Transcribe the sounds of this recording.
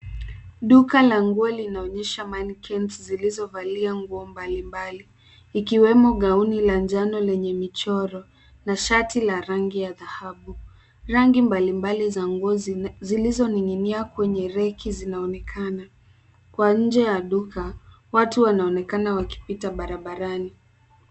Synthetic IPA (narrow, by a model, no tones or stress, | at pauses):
ɗukalaŋɡuɔlinaɔɲɛʃamankʰɛntzilizɔvaliaŋɡuɔmbalimbaliː | kiwɛmɔɠauniland͡ʒanɔlɛɲɛmit͡ʃɔɾɔ | naʃatilaɾaŋɡijaðahaɓu | ɾaŋɡimbalimbalizaŋɡuɔzilizɔniŋɡiniakwɛɲɛɾɛkʰizinaɔnɛkʰana | kwaɲ̩d͡ʒɛjaɗukʰa | watuwanaɔnɛkanawaki̥pitaɓaɾaɓaɾani